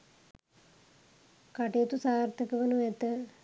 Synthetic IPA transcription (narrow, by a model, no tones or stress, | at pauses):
kaʈeɐt̪usaːɾt̪ʰəkəʋənuɛt̪ə